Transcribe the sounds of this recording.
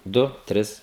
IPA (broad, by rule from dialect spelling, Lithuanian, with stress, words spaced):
ˈdʊ ˈtʲrʲɪs